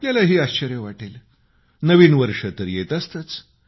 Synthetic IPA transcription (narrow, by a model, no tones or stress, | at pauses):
pljalaɦiːaɕt͡ɕəɾjəʋaʈel | nəʋiːnʋəɾʂət̪əɾjet̪ast̪ət͡s